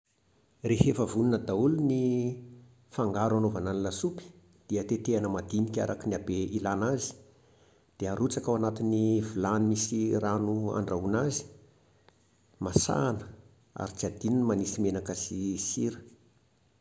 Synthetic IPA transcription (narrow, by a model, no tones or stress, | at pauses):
rehefəvununəd̪auluni | faŋɡaɾanovananilasupi̥ | d̪̥iət̪et̪eanəmad̪inikʲa̰ɾakinabeilanazi̥ | d̪̥eaɾut͡sakawanat̪inivulanimisiranua̰ɳɖ͡ʐaunazi̥ | masa̰ːnə̥ | a̰ɾit͡siad̪ininmanisimenakəsisiɾə̥